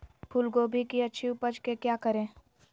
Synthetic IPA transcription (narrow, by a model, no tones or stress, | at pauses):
pʰuːlɡoːbʱikiɐtːʃʰiʊpəd͡ʒkekjaːkəɾẽː